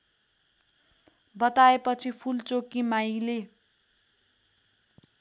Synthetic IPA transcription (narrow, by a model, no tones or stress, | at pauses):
bʌt̪aepʌt͡sʰipʰult͡sokimajle